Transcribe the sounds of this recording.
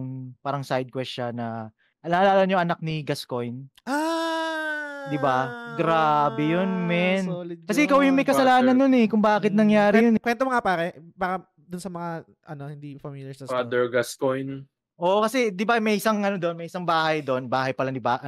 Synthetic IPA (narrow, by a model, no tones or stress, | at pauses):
ŋpaːɾɐŋsajd̪̚kwɛsʃanɐ | ʔɐnaʔɐlaːlɐɲoʔɐnak̚niɡɐsko̞jnʔa | d̪ɪbaɡɾaːbɛjonmɛnkɐsɛʔɪkawjʊmɐjkɐsɐlaːnɐnːonɛkʊŋbaːkɪt̪̚nɐŋjaːɾɪjʊnkwɛnt̪omɐŋapaːɾɛbaːɾɐ | d̪ʊnsɐmɐŋa | ʔɐnohɪnd̪ifɐmiljɐsɐad̪ɛɹɡaskojn | ʔo̞ʔkɐsɛd̪ɪbamɐjʔɪsɐŋʔɐnod̪onmɐjʔɪsaŋbaːhɐjd̪oʔonbaːhɐjpɐlɐnd̪ɪbaʔ